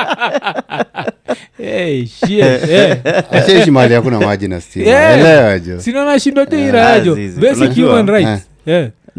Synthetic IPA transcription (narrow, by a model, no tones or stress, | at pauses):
ɛʃiɛɛaɛʃimaliakunamad͡ʒina̰stiɛɛlɛad͡ʒɔsinɔnaʃindɔt͡ʃɛiɾajad͡ʒɔbɛsihjumanɾajt | ɛ